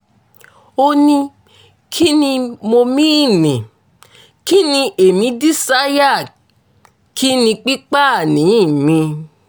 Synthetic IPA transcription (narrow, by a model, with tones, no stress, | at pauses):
o˧nĩ˧ | kʰi˦nĩ˧mo˧mĩ˦˨nĩ˨ | ki˦nĩ˧ʔe˨mĩ˧˦di˦sa˦ja˦˨ | kʰi˦nĩ˧k͡pi˦k͡pa˦˨nĩ˨˦˨mĩ˧